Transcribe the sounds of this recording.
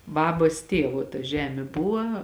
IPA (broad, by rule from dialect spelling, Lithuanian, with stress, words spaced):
ˈbɑːbɐs ˈtʲeːʋoː tɐ ˈʒʲæːmʲeː ˈbʊʋɐ